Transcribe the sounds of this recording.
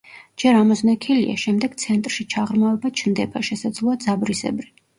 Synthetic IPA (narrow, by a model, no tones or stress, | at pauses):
d͡ʒɛɾamɔznɛkʰilḭa̰ʃɛmd̪ɛɡ̥t̪sʰɛnt̪ʼɾʃit͡ʃʰaʁɾmaɛbat͡ʃʰnd̪ɛbaʃɛsad̪zlˠɔad̪zabɾisɛ̰bɾi